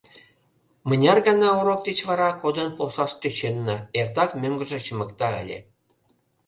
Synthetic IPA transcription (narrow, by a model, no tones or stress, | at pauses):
mə̆nʲɑrɡɑnɑuɾok̚d̪et͡ɕβɑɾɑkod̪ə̆npolʃɑʃt̪øt͡ɕenːə̆ert̪ɑkmʲøŋɡə̆ʒĕt͡ɕə̆mə̆kt̪ɑə̰lʲḛ